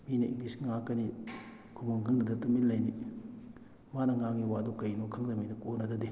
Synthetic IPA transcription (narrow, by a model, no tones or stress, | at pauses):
minɐʔḭŋlisŋakːɐni | kʰumoŋkʰɐŋdɐdɐtumilːɐjni | manɐŋaŋːiwadukɐjnokʰɐŋdɐminɐkonɐdɐdi